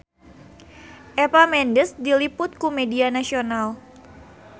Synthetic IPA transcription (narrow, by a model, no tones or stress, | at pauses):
ʔɛpamɛndəsdilipʊt̪̚kumedianasional